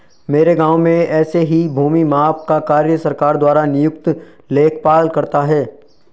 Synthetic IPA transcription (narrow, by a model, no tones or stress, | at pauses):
meːɾeɡãːʊmẽɛːseɦibʱuːmimaːpkakaːɾjəsɐɾkaːɾd̪waːɾanɪjʊkt̪ | leːkʰpaːlkɐɾt̪aɦɛː